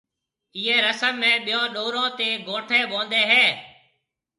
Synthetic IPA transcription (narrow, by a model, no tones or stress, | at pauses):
iːẽːɾəsəmːẽːɓijõːɗoːɾõːt̪eːɡõːʈʰeːʋõːnd̪eːɦɛː